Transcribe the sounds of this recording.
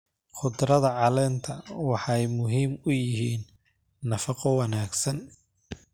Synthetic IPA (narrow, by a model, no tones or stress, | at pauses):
χʊd̪ɾɐðɐʕɑlɛːnt̪ʰɐwɑħɑjmʊɦiːmʊjɪɦiːnː | ɐfɑqɔwɑnaːɡsɐn